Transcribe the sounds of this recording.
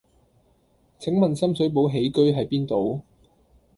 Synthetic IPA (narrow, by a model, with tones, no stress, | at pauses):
t͡sʰɪ˨˥ŋmɐ˨nsɐ˥msɵ˨˥ɥpo˨˥wɦe˨˥jkɵ˥ɥɦɐ˨jpiː˥nt̪o˨w